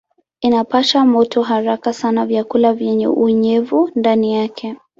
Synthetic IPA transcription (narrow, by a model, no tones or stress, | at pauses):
inapaʃamɔtʰɔɦaɾakasanavjakulavjɛɲɛ̰ʔuɲɛvundanijakʰɛ